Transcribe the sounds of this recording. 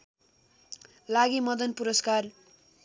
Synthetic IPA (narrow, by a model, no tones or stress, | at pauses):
laɡimʌd̪ʌnpuɾʌskar